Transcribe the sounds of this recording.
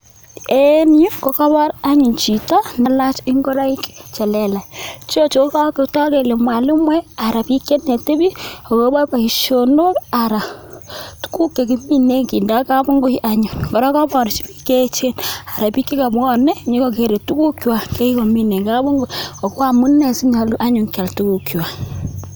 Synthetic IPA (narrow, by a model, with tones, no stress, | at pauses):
enju˦ko˨ka˦bɔ˦ɾa˦ɲu˨nt͡ʃi˨tɔ˦na˨la˦t͡ʃi˦ŋɡo˦ɾa˦i˦kt͡ʃɛ˨lɛ˨la˨t͡ʃo˦t͡ʃo˨˦ka˦ke˨tɔ˦ke˨le˨mwa˨lɪ˦mwɛ˦a˨ɾa˨pi˦ke˦ne˨te˦bi˦o˨ko˦bɔ˦pa˨i˨ʃo˨no˦ɾa˨ɾa˨ | tu̥˦ku˦kːe˨ki˦mi˦ne˦ŋki˨nda˦ka˦bu˦ŋɡo˦i˦ʔa˦ɲu˨ŋkɔ˨ɾɔ˦ka˦bɔ˨ɾt͡ʃi˦bi˦ke˦t͡ʃe˦na˨ɾa˨pi˦kːi˦ka˨bɔ˦ne˦ɲi˦ko˨k̬e˨ɾe˨tu˦ku˦kjwa˨ke˦i˦ko˨mi˦ne˨ka˦bu˦ŋɡo˦o˨ko˦a˦˨mu˦ne˨si˦ɲa˨lu˦ʔa˦ɲu˨ŋka˨ltu˦ku˨kjwa˨